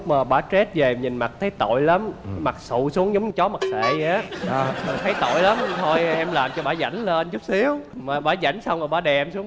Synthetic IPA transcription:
maː˨˩ɓaː˧˩˥t͡ɕe˦˥t̚ve˨˩ɲï˨˩nma˨˩t̚t̪ʰə˨˦jt̪o̰˧˨jla˨˦mma˨˩k̚sṵ˧˨su˨˦əŋzɔ˨˦wŋ͡mɲɨ˧t͡ɕɔ˨˦ma˨˩k̚sḛ˧˨˧a˨˦maː˨˩t̪ʰə˨˦jt̪o̰˧˨jla˨˦m˧t̪ʰo˧jʔɛ˧mlaː˨˩mt͡ɕɔ˧ɓaː˧˩za̰˧˩jŋ̟lə˧nt͡ɕu˦˥k͡p̚si˨˦əwmaː˨˩ɓaː˧˩˦za̰˧˩jŋ̟sa˧wmaː˨˩ɓaː˧˩ɗɛ˨˩msu˨˦ə

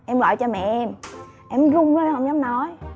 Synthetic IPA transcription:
ʔɛ˧mɣɔ̰˧˨jt͡ɕɔ˧mɛ̰˧˨ʔɛ˧m | ʔɛ˧˩mzʊ˧ŋ͡mzə˧˦hə˧˨wza˨˦nɔ˨˦j

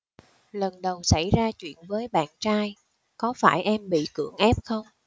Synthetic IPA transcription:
lə˨˩nɗə˨˩wsa˧˩jzaː˧t͡ɕwḭ˧˨ənvəː˨˦jɓa̰ː˧˨nt͡ɕaː˧j | kɔ˨˦faː˧˩jʔɛ˧mɓḭ˧˨kɨ̰˧˩əŋʔɛ˦˥p̚xə˧wŋ͡m

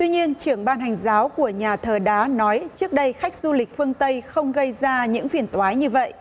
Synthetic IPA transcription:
t̪wi˧ɲi˧ənt͡ɕɨ˧˩əŋɓaː˧nɦa˨˩jŋ̟zaː˨˦wku˧˩əɲaː˨˩t̪ʰəː˨˩ɗaː˨˦nɔ˨˦jt͡ɕɨ˦˥ək̚ɗə˧jxa˦˥jk̟̚zu˧li˨˩k̟̚fɨ˧əŋt̪ə˧jxə˧wŋ͡mɣə˧jzaː˧ɲɨ̰˧˥ŋfi˧˩ənt̪waː˨˦jɲɨ˧və̰˧˨ʔ

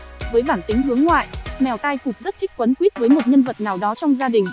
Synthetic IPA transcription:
vəː˨˦jɓaː˧˩nt̪i˨˦ŋ̟ɦɨ˨˦əŋːwa̰ː˧˨jmɛ˨˩wt̪aː˧jkʊ˨˩k͡p̚zə˦˥t̚kʰi˦˥k̚kwə˨˦nkwi˦˥ət̚vəː˨˦jmo˨˩t̚ɲə˧nvə˨˩t̚naː˨˩wɗɔ˨˦t͡ɕɔ˧wŋ͡mzaː˧ɗï˨˩ŋ̟

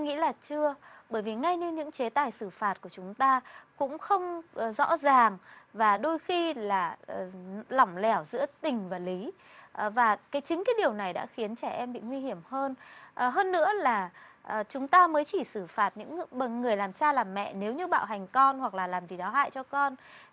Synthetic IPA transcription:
ŋḭ˧˥laː˨˩t͡ɕɨ˧ə | ɓəː˧˩jvi˨˩ŋa˧jɲɨ˧ɲɨ̰˧˥ŋt͡ɕe˨˦t̪aː˨˩jsɨ˧˩faː˨˩t̚ku˧˩ət͡ɕʊ˨˦ŋ͡mt̪aː˧kʊ̰˧˥ŋ͡mxə˧wŋ͡mzɔ̰˧˥zaː˨˩ŋvaː˨˩ɗo˧jxi˧laː˨˩˨ | lɔ˧˩wŋ͡mlɛ˧˩wzɨ̰˧˥ət̪ï˨˩ŋ̟vaː˨˩li˨˦ | ʔvaː˨˩kaː˨˦jt͡ɕï˨˦ŋ̟kaː˨˦ɗi˨˩əwna˨˩jɗa̰ː˧˥xi˨˦ənt͡ɕɛ˧˩ʔɛ˧mɓḭ˧˨ŋwi˧hi˧˩əmhəː˧nʔɦəː˧nːɨ̰˧˥əlaː˨˩ʔt͡ɕʊ˨˦ŋ͡mt̪aː˧məː˨˦jt͡ɕi˧˩sɨ˧˩faː˨˩t̚ɲɨ̰˧˥ŋɓə˨˩ŋɨ˨˩əjlaː˨˩mt͡ɕaː˧laː˨˩mːɛ̰˧˨ne˨˦wɲɨ˧ɓa̰ː˧˨wɦa˨˩jŋ̟kɔ˧nhwa˨˩k̚laː˨˩laː˨˩mzi˨˩zaː˨˦wɦa̰ː˧˨jt͡ɕɔ˧kɔ˧n

